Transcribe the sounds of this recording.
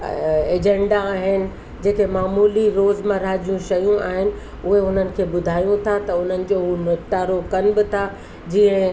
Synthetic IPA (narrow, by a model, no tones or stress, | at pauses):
eːd͡ʑẽɳɖaːɦɪnɪ̆ | d͡ʑeːkemaːmuːliɾoːzmãɾaːd͡ʑijũʃɐjũa̰ːɦɪnɪ̆ | ʊɦeʊn̤ənɪ̆kʰeːbʊd̪ʱaːjũt̪ʰat̪ɐʊn̤ənɪ̆d͡ʑonʊkʈ̪aːɾokɐnɪ̆bɪt̪ʰa | d͡ʑiːə̃